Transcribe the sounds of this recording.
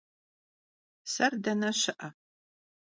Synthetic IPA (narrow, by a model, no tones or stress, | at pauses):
sɐrdɐnɐɕɪʔɐ